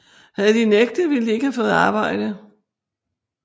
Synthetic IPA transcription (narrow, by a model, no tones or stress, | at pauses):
hæð̞̩ˠəd̥ineɡ̥̚d̥əʋild̥ie̝ɡəhæfɔ̽ːð̩ˠɑ̈ːb̥ɑ̈ɪ̰d̥ə